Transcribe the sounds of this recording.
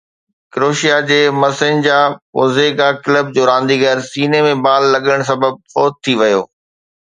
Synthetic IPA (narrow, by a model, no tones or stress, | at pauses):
kɪɾoːʃijad͡ʑeːmɐsəɲd͡ʑaːʊ̰zeːɡakɪləb̚d͡ʑoːɾãːn̆d̪iɣɐɾsiːnemẽbaːlːɐɠəɽ̃s̬ɐbəb̚fɔːt̪̚t̪ʰːiʋɐjo̰ː